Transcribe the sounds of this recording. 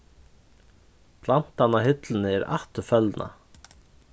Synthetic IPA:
pʰlan̥t̪anahʏt̪lən̩əɛːɾa̰ht̪əfœlnʔa̰

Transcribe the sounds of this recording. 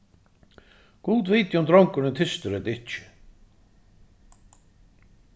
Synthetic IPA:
kuːt̪veːjt̪jumd̪ɾɔwŋkʏɾnɪt̪ʰɪst̪ʏɾɛt̪ɪht͡ɕːɪ̥

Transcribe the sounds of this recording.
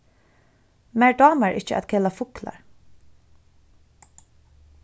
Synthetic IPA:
mɛɹdɑːmæɹʔɪ̰t͡ʃəʔa̰t̪kʰɛlafʊkla̰ɹ

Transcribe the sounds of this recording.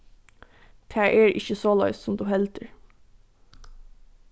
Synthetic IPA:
t̪ʰæːɹʔeːɹʔɪ̰çəsoːlɑ̰ʏssɔmd̪ʉːhɛlt̪əɹ

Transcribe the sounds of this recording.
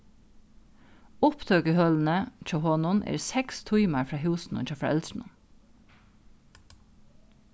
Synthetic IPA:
ʊpd̪ʰɑːɡəhœln̩əc͡çʰohɔːnʊnʔḛːɾsɛkst̪ʰʊɪmɑɾfɹɑːhʉːsn̩ʊ̰nt͡ʃɑfɾɑʔɛ̰lsɳ̩ʊ̰n

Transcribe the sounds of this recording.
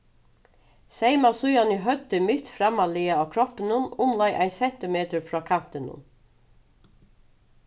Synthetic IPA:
seɪmasʊjanɪɦœt̪ːɪmɪt̪fɾamːalɪaaːkʰɾɔpɪnʊnʊmlajʔa̰ɪnsɛn̥t̪ɪmeːt̪əɹfɹɔːkʰan̥t̪ɪnʊ̰n

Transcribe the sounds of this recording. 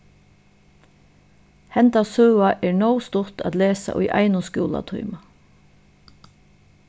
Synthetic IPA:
hɛnt̪asœwaʔɛːɹɳɔwst̪ʊ̥t̪a̰ːt̪leːsa̰ʔʊjʔa̰jnʊskjṵːla̰t̪ʰɔ̰ʏma

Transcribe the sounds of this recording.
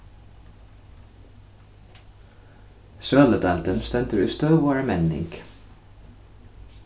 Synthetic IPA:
ʃøːləd̪ɑlt̪ənst̪ɛnt̪əɾy̰ːst̪øːʋoæɹəmɛnd̪ɪ̰ŋk

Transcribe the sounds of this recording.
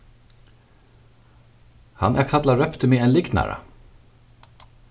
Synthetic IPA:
hɑnʔæːkʰɑd̪lɑɹœpt̪ʰəmiːeːnlɪɡnæ̰ɹɑ̰

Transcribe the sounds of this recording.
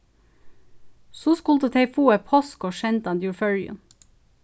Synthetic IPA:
sʊskʊlt̪ət̪ʰeɪfuːɛpʰɔskoːʃɛnt̪ɑnd̪jʊɹfœɹɪ̰ʉ̰n

